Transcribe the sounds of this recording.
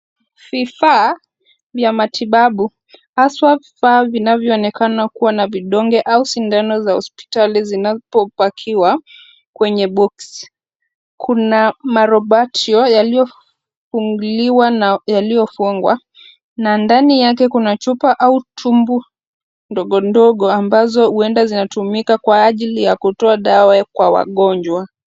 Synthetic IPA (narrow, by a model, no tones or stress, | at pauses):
vifaː | vjamatʰiɓaɓu | haswavifaːvinavjɔːnɛkanakuwanaviɗɔŋɡɛʔausindanɔzahɔspi̥talizinapɔpakʰiwa | kwɛɲɛɓɔks | kʰunamaɾɔɓatʰiɔjalijɔ | fuŋɡuliwanjalijɔfuŋɡwa | nandanijak̬ɛkunat͡ʃupaʔautʰumbu | ndɔɠɔndɔɠɔambazɔhuɛndazinatumikakwaːʄilijakutɔaɗawakwawa̰ɠɔɲd͡ʒwa